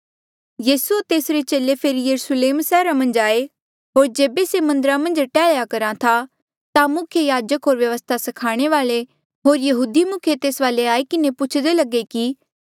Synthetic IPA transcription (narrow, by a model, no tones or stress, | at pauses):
jiːsuot̪eːsɾet͡ʃeːlepʰeɾijɐɾʊsleːmsɛːɾamɐ̃nd͡ʒaːe | ɦoːɾd͡ʒeːbesemɐ̃nd̪əɾamɐ̃nd͡ʒʈɛːɭjakɐɾãt̪ʰa | t̪amʊkʰjejaːd͡ʒəkɦoːɾʋjɐʋəst̪ʰasɐkʰaːɽ̃eʋaːle | ɦoːɾjɐɦuːd̪imʊkʰjet̪eːsʋaːleaːekɪnepʊt͡ʃʰd̪elɐɡeki